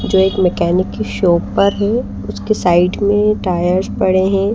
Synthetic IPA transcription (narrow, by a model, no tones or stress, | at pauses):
d͡ʒoːeːkmɛkɛːnɪkːiʃoːppɐɾɦɛ | ʊskesaːɪɖmẽʈaːjəɾspɐɽeɦɛ̃ː